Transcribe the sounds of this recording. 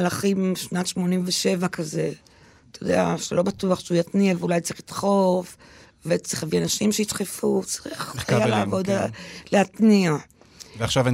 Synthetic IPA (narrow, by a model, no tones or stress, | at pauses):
alaχimʃnatʃmo̞nimveʃe̞vakaze̞ | t̪ajod̪ḛa̰ʃelo̞batuaχʃeujat̪niaveulajtʁiχlit̪χo̞f | vet͡sʁiχavianaʃimʃeit̪χefut͡saʁiχajalaːvo̞d̪leat̪nia | veaχʃav